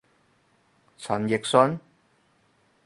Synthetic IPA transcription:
t͡sʰɐ˨˩njɪ˨k̚sɵ˧n

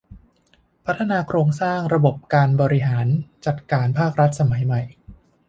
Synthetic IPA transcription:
pʰa˦˥t̪ʰːa˧naː˧kʰɾoː˧ŋsaː˥˩ŋɾa˧bo˨˩p̚kaː˧nbɔː˧ɾi˦˥ɦaː˩˦nt͡ɕa˨˩t̪̚kaː˧npʰaː˥˩k̚ɾa˦˥t̪̚sa˧ma˩˦jma˨˩j

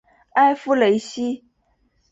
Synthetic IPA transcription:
a˦ɪfu˦le˨˦ɪɕi˦

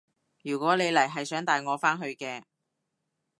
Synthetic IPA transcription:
jyː˨˩kʷɔː˨˥ne˨˧jlɐ˨˩jɦɐ˨jsœː˨˥ŋt̪aː˨jŋɔː˨˧faː˥nɦɵ˧ɥkɛː˧

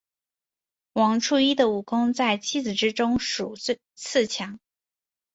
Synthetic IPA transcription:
wɑ˧˥ŋʈ͡ʂʰu˥˧i˥d̪ə˨u˨˩kʊ˥ŋt͡sa˥˩ɪt͡ɕʰi˥d͡zɹ̩˨˩ʈ͡ʂɻ̩˥ʈ͡ʂʊ˥ŋʂu˨˩˥ | t͡sʰɹ̩˥˩t͡ɕʰjɑ˧˥ŋ

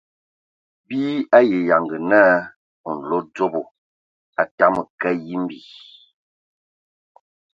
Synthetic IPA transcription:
bi˦a˦je˨ja˨ŋɡə˨naː˦ | ɔ˨n̩˨lo˦d͡zo˦bo˨ | a˨ta˦mə˨kɛ˦ji˦m˦bi˨

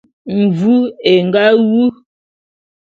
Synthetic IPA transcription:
m̩˨vu˦e˨ŋ˨ɡa˦wu˦

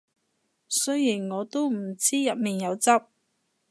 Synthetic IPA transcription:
sɵ˥jiː˨˩nŋɔː˨˧t̪o˥wm̩˨˩t͡siː˥jɐ˨t̚miː˨njɐ˨˧wt͡sɐ˥p̚

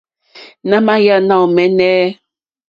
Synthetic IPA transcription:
nã˦mã˦ja˦˨nã˦˨mɛ˨nɛ˦

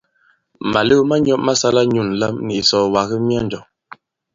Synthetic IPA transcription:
ma˨lə˦ma˦ɲ˦ɔ˦ʔ̚ma˦sa˦la˦ɲu˦˨nla˦mni˨ʔsɔ˦˨wa˨ɣə˦mja˦n˨d͡ʒɔ˨

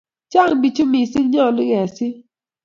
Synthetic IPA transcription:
t͡ʃa˦˨ŋbi˨t͡ʃo˦mi˨si˦ŋɲɔ˦˨lɪ˦ɡɛ˨sɪ˦

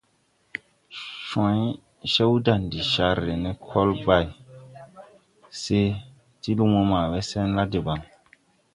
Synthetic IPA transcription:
ʃã˨˦j | ʃe˦wda˨ndi˨ʃa˦ɾːe˨ne˦kʰɔ˦lba˨j | se˦ | ti˦lu˦mo˦maː˨we˦se˦nla˦de˨ba˨ŋ

